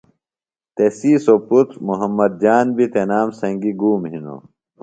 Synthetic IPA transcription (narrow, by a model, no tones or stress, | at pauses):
t̪esiːsoput̪ɾmuɦɐmːɐd̪̚d͡ʑaːnbit̪enaːmsɐ̃ŋɡiɡuːmhino̰